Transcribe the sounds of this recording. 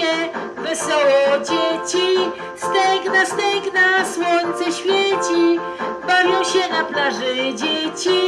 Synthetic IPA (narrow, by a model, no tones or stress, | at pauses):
ɛ | vɛsɔwɔd͡ʑet͡ɕi | st̪ɛŋɡnast̪ɛŋknaswɔɲt̪sɛɕfʲjet͡ɕi | bavʲjɔ̃w̃ɕɛnaplaʐɛd͡ʑet͡ɕi